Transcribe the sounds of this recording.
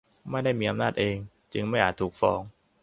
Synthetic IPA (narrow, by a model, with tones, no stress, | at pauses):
ma˥˩jda˥˩jmiː˧ʔa˧mnaː˥˩t̪̚ʔeː˧ŋ | t͡ɕɯ˧ŋma˥˩jhaː˨˩t̪ʰːuː˨˩k̚fɔː˧ŋ